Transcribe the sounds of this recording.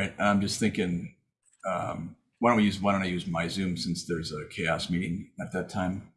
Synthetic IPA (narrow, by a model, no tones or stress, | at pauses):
ɪt̚ãɪ̃md͡ʒʌsθɪ̃ŋkɪ̃ŋ | ʌ̃m | waɪɾ̃ijʉzwaɾõñaɪjʉzmaɪzʉ̃msɪ̃nsðə˞zəkʰeɪɑsmiɾɪ̃ŋɨt̪̚ðɨtʰãɪ̃m